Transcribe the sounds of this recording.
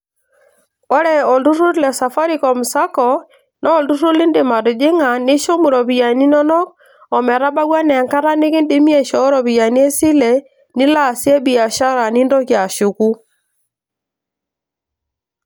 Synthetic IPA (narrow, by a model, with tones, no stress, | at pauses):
ɔ˦ɾɛ˨ɔ˨du˦ɾu˦ɾlɛ˨sa˨fa˦ɾi˦kɔ˨mu˨sa˦kɔ˨ | nɔː˦˨du˦ɾu˦lɪ˦ndɪ˨ma˨ɾu˨d͡ʒɪ˦ŋa˨nɪ˦ʃɔ˦mu˨ɾɔ˨βi˨ja˨ni˦nɔ˦nɔ˦k̚ | ɔ˨mɛ˨ɾa˦ba˦ɣwa˦nɛ˨ŋka˦ɾa˦nɪ˦kɪ˦nde˦mi˦ɛ˦ʃɔ˦ɾɔ˨βi˨ja˨ni˦ɛ˦si˦lɛ˨ | nɪ˦la˦˨sɛ˦bi˨a˨ʃa˦ɾa˨ni˦ndɔ˦kja˨ʃu˨ku˦